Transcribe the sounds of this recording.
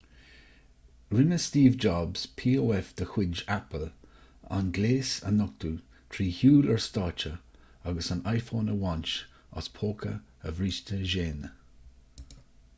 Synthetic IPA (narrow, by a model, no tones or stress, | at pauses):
ɹɪnəst̪iːvd͡ʒɑbz̥pʰiːoːɛfd̪̥əxwɪd͡ʒapəl | a̰nɡleːsə̰nɔk̚t̪u | t̪ʰɹiːhuːləɹst̪ɑːt͡ʃə | aɡəsanajfoːnəwɔnt͡ʃ | ɔ̰spʰoːkʰə̰əvɹiːʃtəʒeːn